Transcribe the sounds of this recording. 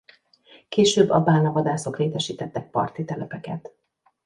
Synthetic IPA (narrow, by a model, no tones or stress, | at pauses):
keːʃøːbːɒbaːnɒvɒd̪aːso̞kleːt̪ɛʃiːt̪ɛt̪ːɛk̚pɒ̰rt̪it̪ɛlɛpɛkɛt̪